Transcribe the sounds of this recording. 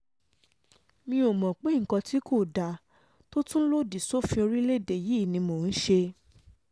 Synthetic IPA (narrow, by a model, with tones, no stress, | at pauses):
mĩ˧o˨mɔ̃˨k͡pe˨˦ŋ̩˨kɔ̃˧ti˨˦kʰo˦˨da˨ | to˦tũ˦lo˦˨di˨so˦fĩ˧o˧ɾi˦le˦˨de˨ji˨˦˨nĩ˧mo˨n̩˦ʃe˧